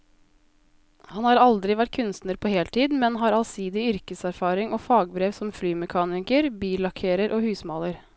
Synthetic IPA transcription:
hɑnhɑːɾɑld̪ɾɪʋæʈ̚kʰʉnst̪nəɾpʰoːheːlt̪ʰiːd̪mɛnɦɑːɾɑlsiːd̪ɪʏɾkəsæɾfɑːɾɪŋɔːfɑːɡ̚bɾeːʋsɔmflyːmɛkʰɑːnɪkəɾbiːlɑkʰeːɾəɾʔɔːhʉːsmɑːləɾ

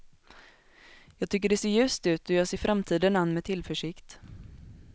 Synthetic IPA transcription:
jɑːɡ̚t̪ʰʏkːəɖɛseːɾjʉ̟ːst̪ʉ̟ːt̪ɔjɑːseːɾfɾʔamt̪ʰiːd̪ənanːmɛt̪ʰɪlfœʂɪkt̪

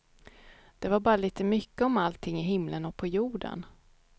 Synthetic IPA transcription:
d̪̥ɛvaɾbɑːɾaliːt̪əmʏkːəɔmalt̪ʰːɪŋːɪɦɪmlənɔk̚pʰɔjuːɖə̰n

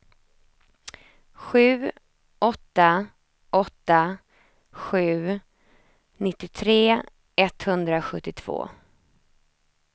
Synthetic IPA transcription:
ɧʉ̟ː | ʔɔt̪ːa | ʔɔt̪ːa | ɧʉ̟ː | nɪt̪ːɪt̪ʰɾeː | ɛt̪hɵnd̪ɾaɧɵt̪ːɪt̪ʰv̥o̰ː

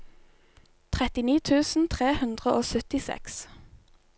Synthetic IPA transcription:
t̪ʰʁɛt̪ɪniːt̪ʰʉːsn̩t̪ʰʁeːhʉnd̪ʁəʔoːsœt̪ɪsɛ̰ks

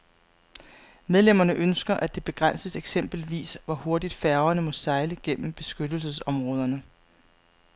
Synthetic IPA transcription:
meðˠlem̰ɐnəʔønsɡ̥ɐʔæd̥e̝b̥e̝ɡ̥ʁan̰səseɡ̥sem̰b̥l̩ʋḭːsʋɒho̝ɐdid̥fæɐʊɐnəmɒ̽sɑ̈ɪləɡ̥en̰m̩b̥e̝sɡ̥ød̥l̩səsɒ̽mʁɔ̽ːð̞ˠɐnə

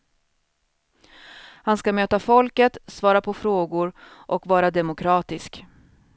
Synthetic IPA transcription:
hanskamøːt̪afɔlkət̪svɑːɾapʰɔfɾoːɡʊɾʔɔkvɑːɾad̪ɛmʊkʰɾɑːt̪ɪsk

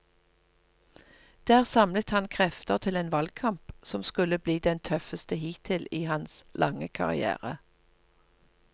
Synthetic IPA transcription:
d̪̥æːʁsɑmlət̪hɑnkʰʁɛft̪əʁt̪ʰɪleːnʋɑlɡ̚kʰɑmpsɔmskʉləbliːd̪ɛnt̪ʰœfəst̪əhiːt̪ʰɪliːhɑnslʔɑ̰ŋəkʰɑ̰ʁɪ̰æ̰ːʁə

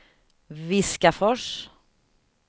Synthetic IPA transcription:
ʋɪskafɔʂ

